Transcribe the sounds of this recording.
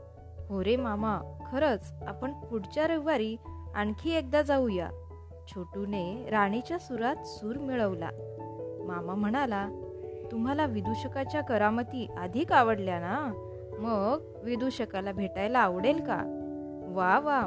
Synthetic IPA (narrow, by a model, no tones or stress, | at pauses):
ɦoɾemamakʰəɾət͡s | apəɳpuɽt͡ɕjaɾəʋaɾiːa̰ɳkʰiːek̚d̪ad͡zauja̰ | t͡ɕʰoʈuneɾaɽ̃it͡ɕjasuɾat̪suːɾmiɭəʋla̰ | mamam̤əɽ̃alat̪um̤alaʋid̪uɕəkat͡ɕjakəɾamət̪iːʔad̪ʱiːkaʋəɽljana | məɡ | ʋid̪uɕəkalabʱeʈajlaːʋɽelka̰ | ʋaʋa